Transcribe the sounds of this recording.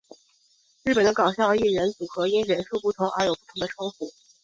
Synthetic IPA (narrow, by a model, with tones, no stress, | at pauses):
ɻɻ̩˥˩pə˨˩nd̪ə˦kɑ˨˩ʊɕjɑ˥˧ʊi˥˩ɻə˧˥nt͡su˨˩xɤ˧˥i˥nɻə˧˥nʂu˥˧pu˥˩t̪ʰʊ˧˥ŋə˞˧˥jo˨˩pu˥˩t̪ʰʊ˧˥ŋd̪ə˧ʈ͡ʂʰʊ˥ŋfu˨˩